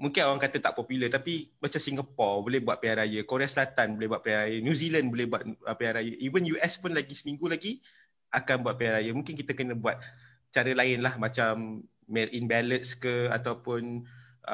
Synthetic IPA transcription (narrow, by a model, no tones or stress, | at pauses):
mũŋkɪnoɾaŋkat̪ət̪a̰ʔpɔpulət̪apimat͡ʃamsiŋɡapɔrbolɪhbuat̪̚peaɾajəkoɾeasəlat̪anbolɪhbuat̪̚peaɾajənjuzilandbolɪhbuat̪̚əpearɾajəʔivənjuʔɛspʊnlaɡisəmĩŋɡulaɡi | ʔakanbuat̪̚piarɾajəmũŋkɪnk̬it̪əkənə̃buat̪̚ | t͡ʃaɾəlaɪnlahmat͡ʃamː | ɛlʔinbɛlət̪̚skəa̰t̪awpʊn